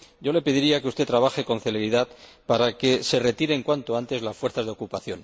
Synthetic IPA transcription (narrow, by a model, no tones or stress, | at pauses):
ɟ͡ʝo̞le̞peðiɾiakeust̪e̞t̪ːɾaβ̞axe̞ko̞n̟θe̞le̞ɾiðað | paɾake̞se̞re̞t̪iɾe̞ŋkwant̪o̞ant̪e̞zlasfwe̞ɾθazðeo̞kupaθjo̞n